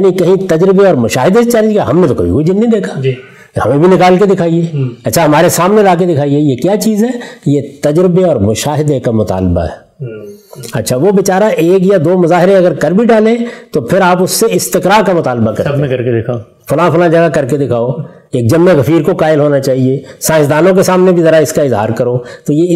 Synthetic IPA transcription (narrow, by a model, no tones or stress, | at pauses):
nĩkɐɦĩt̪ɐd͡ʒɾɪbeɔːɾmʊʃaːɦɪd̪eset͡ʃaːɾikaɦɐmnẽt̪okɐ̰bʱḭkoid͡ʒɪnːĩd̪eːkʰḁd͡ʒ | hɐmẽbʱinɪkaːlked̪ɪkʰaːieɐtːʃʰaɦɐmaːɾesaːmnelaːk̬ed̪ɪkʰaːiejekjaːt͡ʃiːzɦɛːjet̪ɐd͡ʒɾɪbeɔːɾmʊʃaːɦɪd̪ekamʊt̪a̰ːlba̰ɦɛ̰ː | ɐ̰tːʃʰaʋobɪt͡ʃaːɾaʔeːk̬jad̪oːmʊzaːɦɪɾẽɐɡəɾkɐɾbʱiɖaːlẽt̪opʰɪɾaːpʊsːeɪst̪ɪkɾaːɾkamʊt̪aːlbakɐɾẽkɐɾkeɪkʰa | fʊlãːfʊlãd͡ʒɐɡakɐɾked̪ɪkʰaːo | eːk̚d͡ʒɐmːeɣɐfiːɾkokaːɪlɦoːnat͡ʃaːɦiesãːɪ̃ʃd̪aːnõk̬esaːmnebʱizɐɾaɪskaɪzɦaːɾkɐɾoːt̪oje